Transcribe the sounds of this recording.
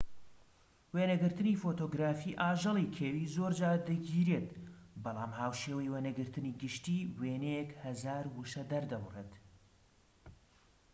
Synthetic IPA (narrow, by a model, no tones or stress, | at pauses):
weːnɐɡɨɾt̪ɨniːfoːt̪oːɡɾaːfiːʔaːʒɨlˠikʰeːwiːzoːɾd͡ʒaːd̪ɨɡiːɾeːt̪bɑlˠaːmhaːwʃeːwɐjweːnɐɡɨɾt̪ɨniːɡɨʃt̪iːweːnejekhɐzaːɾwɨʃɐd̪ɐɾd̪ɐwreːt̪